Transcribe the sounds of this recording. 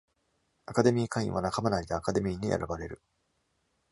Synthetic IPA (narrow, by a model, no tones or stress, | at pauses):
akad̪e̞mʲiːkãḭ̃βanakamanaid̪eakad̪e̞mʲiːɲ̟iʔḛɾʔa̰baɾe̞ɾɯ̟